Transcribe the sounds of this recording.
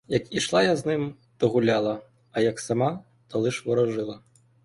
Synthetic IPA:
jɐkiʂlˠajaznɨm | t̪ɔɣulʲalˠɐ | ɐjɐksama | t̪ɐlˠɨʂvɔɾɐʐɨlˠɐ

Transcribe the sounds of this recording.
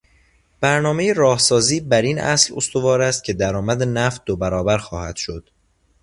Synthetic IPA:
b̥æɾnɒːme̞jeɾɒːhsɒːziːbæɾinʔæ̰slo̞st̪ʰo̞vɒːɾæst̪̚cʰe̞d̪æɾɒːmæd̪enæft̪̚d̪obæɾɒːbæɾxɒːhæd̪̥ʃod̪̥

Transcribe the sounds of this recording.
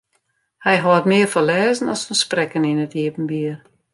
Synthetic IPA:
hɛjɦɔːətmɪərfɔlɛːzən̩ɔsfənsprɛkənɪnətiəpən̩biər

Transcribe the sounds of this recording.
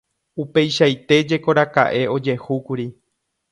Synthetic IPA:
upe̞jʃajt̪e̞d͡ʒe̞ko̞ɾaka̰ʔe̞o̞d͡ʒe̞hukuɾi

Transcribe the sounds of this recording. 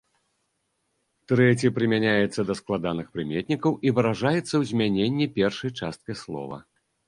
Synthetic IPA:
t̪ɾɛt͡sʲipɾɨmʲanʲajɛt̪sːɐd̪ɐsklˠad̪anɨxpɾɨmʲet̪ʲnʲikɐwʔivɨɾaʐajɛt̪sːɐwzʲmʲanʲenʲːɛpʲɛrʂɐjt͡ʂa̰st̪̚kɐslˠɔ̰vɐ̰

